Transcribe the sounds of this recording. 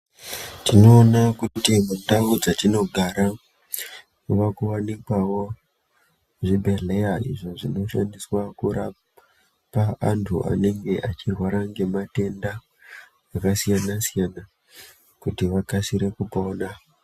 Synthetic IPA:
tino̞ːnakutimundaud͡zatino̞ɡʱaɾa | ʋakuwanikwawo̞ | ʐibʱe̞ɮe̞jaḭʐo̞ʐino̞ʃandiswakuɾa | paantʰṵʔa̰ne̞ŋɡe̞ʔat͡ʃirwaɾaŋɡe̞mate̞nda | akasijanasijana | kutiʋakasiɾe̞kupoːna

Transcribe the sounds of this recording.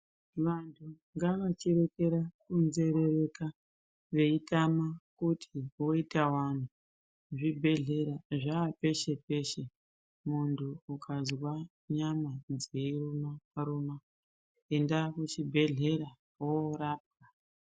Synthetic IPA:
ʋantʰu | ŋɡaʋat͡ʃiɾe̞ke̞ɾakunze̞ɾe̞re̞ka | ʋe̞itamakutʰiwo̞itawan̤u | ʐibʱe̞ɮe̞ɾaʐaːpe̞ʃe̞pe̞ʃe | muntʰuːkʰazwa | ɲamad͡zeirumaaɾuma | endakut͡ʃibʱe̞ɮe̞ɾa | oɾaːp̚ka

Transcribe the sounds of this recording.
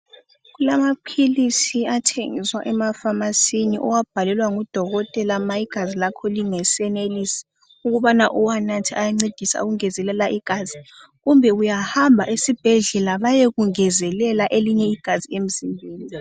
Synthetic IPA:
ɣulamapʰilisiatʰḛŋiswaʔɛmafamasiniʔɔ̰wab̥ʱalɛlwaŋud̥ʱɔɣɔtʼɛlamaiɡ̥ʱazilakʰɔliŋɛsɛnelisi̥ | uɣuβanaʔuwanatʰiajaŋ͡ǀed̥ʱisa̰uɣuŋɛzɛlɛlaʔiɡ̥ʱazi | ɣumbʱɛujahambʱaʔisib̥ʱɛɮɛlaβajeɣuŋɛzɛlɛlaʔeliɲɛiɡ̥ʱaziem̩zimbʱeːni

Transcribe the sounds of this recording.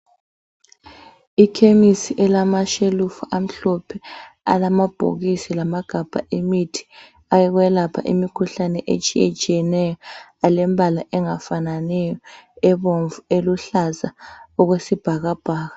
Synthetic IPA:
ikʰemisiʔɛlamaʃelufuʔam̩ɬɔpʰɛa̰lamab̥ʱo̰ɣisilamaɡ̥ʱab̥ʱa̰ʔimitʰi̥ | ajɛɣwɛlapʰa̰ʔḭmikʰuɬanɛʔet͡ʃʼijet͡ʃʼijɛnɛjɔalɛmbʱalaʔɛŋafananɛjɔɛβoɱvueluɬazaɔɣwesib̥ʱaɣab̥ʱaːɣa

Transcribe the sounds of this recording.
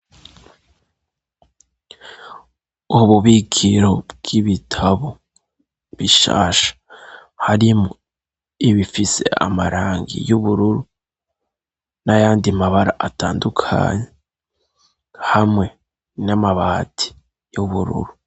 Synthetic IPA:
uβuβikʰiɾo̞b̚ɡ̥iβitʰaβo | βiʃa̰ːʃḁhaɾimo | iβifise̞̰a̰maɾaːŋɡḭjuβuɾuɾu | najaːndimaβaɾaʔataːndukʰa̰ːɲe̞ | hamŋe̞ | namaβatʰi̥ | juβuɾṵɾu

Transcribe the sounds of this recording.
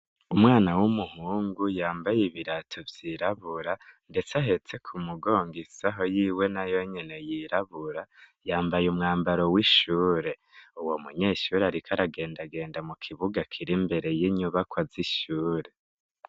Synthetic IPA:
umŋaːnawumuhuːŋɡujaːmbajiβiɾatʰovjiɾaβuɾande̞t͡saɦe̞t͡se̞kʰumuɡo̞ːŋɡisaɦo̞jiːwe̞najo̞ɲe̞ne̞jiɾaβuɾajaːmbajumŋaːmbaɾo̞wiʃuːɾe̞ | uwo̞muɲeːʃuɾeaɾikʰaɾaɡe̞ːndaɡe̞ːndamukʰiβuɡakʰiɾimbe̞ɾe̞jiɲuβakwaziʃuːɾe̞

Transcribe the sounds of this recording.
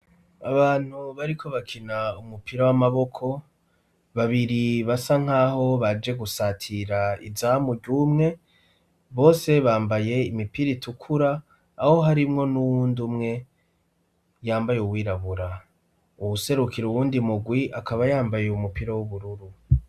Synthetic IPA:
aβaːn̥huβaɾikʰo̞βakʰinaumupiɾawamaβo̞kʰo̞ | βaβiɾiβasaŋ̥aːho̞βad͡ʒe̞ɡusatʰiɾaḭzamuɾɟuːmŋe̞ | βo̞ːse̞βaːmbaje̞imipiɾitʰukʰuɾaː | ho̞ɦaɾimŋo̞nuwuːndumŋe̞ | jaːmbajeuβwiːɾaβuɾa | uβuse̞ɾukiɾuβuːndimuɡwiʔakaβajaːmbaje̞umupiɾawuβuɾuɾu

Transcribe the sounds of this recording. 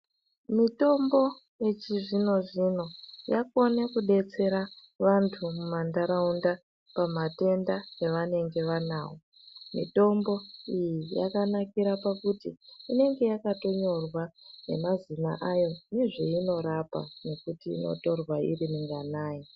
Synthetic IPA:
mito̞mbo̞ | je̞t͡ʃiʐino̞ʐino̞jako̞nekuɗe̞t͡se̞ɾa | ʋantʰumumandaɾaunda | pamate̞ndajeʋane̞ŋɡe̞ʋanaːwo | mḭto̞mbo̞ijija̰kanakiɾapakutiːne̞ŋɡe̞jakato̞ɲo̞rwane̞̰mazina̰ʔajo̞niʐeino̞ɾapa̰ne̞kutḭːno̰to̞rwaḭrimiŋɡanaːji

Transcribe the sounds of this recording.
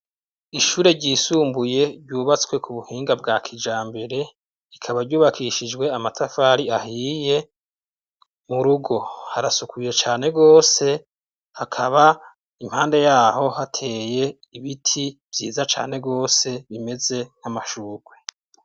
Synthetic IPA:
iʃuːɾe̞ɾɟiːsuːmbuje̞ɾɟuːβat͡skwe̞kʰuβuhiːŋɡab̚ɡakʰid͡ʒaːmbe̞ɾe̞ | ikʰaβaɾɟuːβakʰiʃid͡ʒwe̞amatʰafaːɾiahiːje̞ | muɾuɡo̞haɾasukʰuje̞t͡ʃaːne̞ɡo̞ːse̞ | hakʰaβa | im̥haːnde̞jaːɦo̞hatʰe̞je̞ | iβitʰiv̥jiːzat͡ʃa̰ːne̞ɡo̞ːse̞βime̞ze̞n̥hamaʃuːɾɡwe̞

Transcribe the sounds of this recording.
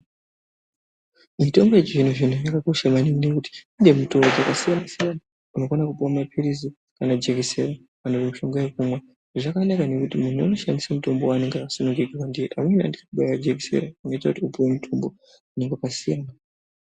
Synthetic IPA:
mito̞mɡe̞ʐin̤uʐin̤ujakako̞ʃamaninekuti̥ind͡ʒemuto̞mbod͡zakasijanasijana | uno̞konakupuwamapʰiɾizi | kanad͡ʒeɡiseɾa | anopemiʃo̞ŋɡajekumwa | ʐeʐakanakane̞kutimun̤ua̰no̞ʃandisamuto̞mbowane̞ŋɡakasonukikiwandijeʔamwena̰ndiakuɓajwad͡ʒekisḛɾauno̞itakutiupuwemutʰo̞mbo̞ | une̞ŋɡakasijana

